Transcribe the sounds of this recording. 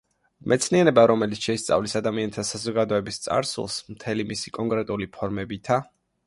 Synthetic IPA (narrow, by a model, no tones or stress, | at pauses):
mʔɛt̪sʰnianɛbaɾɔmɛlit̪sʃɛist̪sʼa̰vlisad̪amiant̪ʰasazɔɡad̪ɔɛbist̪sʼa̰ɾsṵlˠsmt̪ʰɛlimisikʼɔŋkʼɾɛt̪ʼulipʰɔɾmɛbit̪ʰa